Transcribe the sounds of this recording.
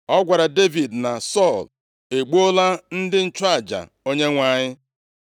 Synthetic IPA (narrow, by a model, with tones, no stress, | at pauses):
ɔ˦ɡʷa˨ɾa˨de˦vi˨dna˨sɔ˦˨l | e˨ɡ͡bu˦o˦la˦n̩˦dɪ˦n̩˦t͡ʃa˨d͡ʒa̰˨ | o˦ɲe˦ŋʷa˨ɲɪ˦